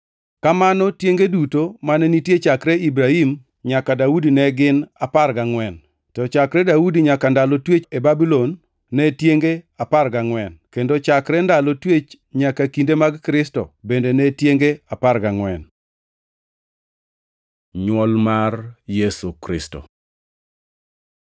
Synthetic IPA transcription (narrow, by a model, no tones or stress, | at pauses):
kamanɔtjeŋɡedutomanɛnitjet͡ʃakɾɛibɾahim | ɲakadaudinɛɡɪnaparɡaŋwɛn | tɔt͡ʃakɾɛdaudiɲakandalotwet͡ʃebabilonː | ɛtjeŋɡeaparɡaŋwɛnkendot͡ʃakɾɛndalotwet͡ʃ | ɲakakindemaɡkɾɪstɔ̰bendenɛtjeŋɡeaparɡaŋwɛn | ɲwɔlmarjesukɾɪ̰sto̰